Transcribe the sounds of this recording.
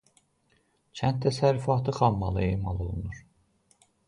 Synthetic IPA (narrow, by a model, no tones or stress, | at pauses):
t͡ʃʰænt̪ʰːæsæɾːyfɑːt̪ʰɯχɑmːɑ̰lˠɯemɑlˠo̞lˠunuɾ̥